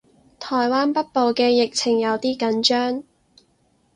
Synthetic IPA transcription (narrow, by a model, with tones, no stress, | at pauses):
t̪ʰɔː˨˩jwaː˥npɐ˥t̚po˨˧wkɛː˧jɪ˨k̚t͡sʰɪ˨˩ŋjɐ˨˧wt̪iː˥kɐ˨˥nt͡ʃœː˥ŋ